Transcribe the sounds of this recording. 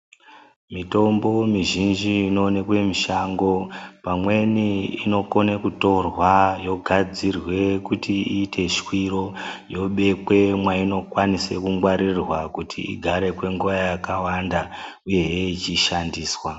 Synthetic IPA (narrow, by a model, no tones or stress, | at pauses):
mito̞mbo̞miʒind͡ʒiːno̞ːne̞kwe̞miʃaŋɡo̞pamwe̞niino̞ko̞nekuto̞rwajo̞ɡʱad͡zirwe̞kutiiːtʰe̞ʃkwiɾo̞jo̞ɓe̞kwe̞mwaino̞kwanisekuŋɡwaɾirwakutʰḭḭɡʱaɾe̞kwe̞ŋɡuʋajakawandauje̞eit͡ʃiʃandiːswa